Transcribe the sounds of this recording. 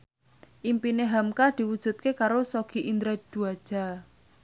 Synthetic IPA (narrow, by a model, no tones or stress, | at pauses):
ʔimpineɦamkad̪̥i̤wud̥ʒ̥ṳt̪̚kekaɾosoɡ̥i̤ʔind̪ɾɛd̪̥uad̥ʒ̥a̤